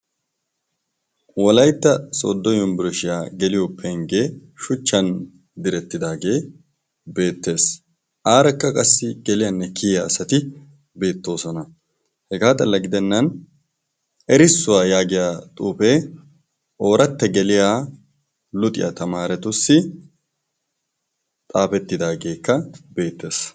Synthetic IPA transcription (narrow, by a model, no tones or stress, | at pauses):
wɔlɐjt̪ːɐsɔ̰d̪ːɔjʊmbɪɾɔʃɪjaːɡɛlɪjoːpʰːɛŋɡeːʃʊt͡ʃːɐn | d̪ɪɾɛt̪ːɪd̪aːɡe̞ː | be̞ːt̪ːe̞ːs | ʔaːɾɐkːɐkʼɐsːɪɡɛlɪjanːɛkɪjjasɐt̪ɪ | be̞ːt̪ːo̞ːsɔnɐ | hɛɡaːt̪ʼɐlːɐɡɪd̪ɛnːɐn | ɛɾɪsːʊwaːjaːɡɪjaːt̪ʼuːpeː | o̞ːɾɐt̪ːɛɡɛlɪjaː | lʊt̪ʼɪja̰t̪ɐmaːɾɛt̪ʊsːɪ | t̪ʼaːpɛt̪ːɪd̪aːɡe̞ːkːɐbe̞ːt̪ːe̞ːs